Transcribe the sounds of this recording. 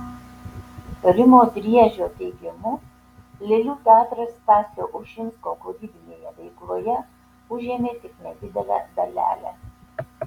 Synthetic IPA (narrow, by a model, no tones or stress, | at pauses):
t̪ɐɾʲɪmoːt̪ʲɾʲiɛʒʲoːt̪ʲɛɪɡʲɪmʊ | lʲeːlʲuːt̪ʲɑːt̪ɾɐst̪ʲɑːsʲoːʔʊʃʲɪnskoːkod̪ʲiːb̪ʲɪnʲeːjɛʋʲɛɪklˠoːjɛ | ʊʒʲeːmʲeːt̪ʲɪknʲɛd̪ʲɪd̪ʲɛlʲɛ̰d̪ɐlʲæ̰ːlʲæ̰